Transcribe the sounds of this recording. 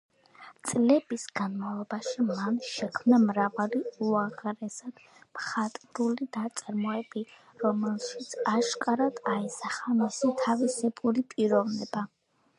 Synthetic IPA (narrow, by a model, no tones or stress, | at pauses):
t̪sʼlɛbisɡanmavlˠɔbaʃimanʃɛkʰmnamɾavaliuaʁɾɛsad̪̥ | mχat̪ʼɾulid̪at̪sʼaɾmɔɛbi | ɾɔmɛlˠʃit̪sʰaʃkʼaɾad̪̥aɛsaχamisit̪ʰavisɛbʼuɾipʼiɾɔvnɛba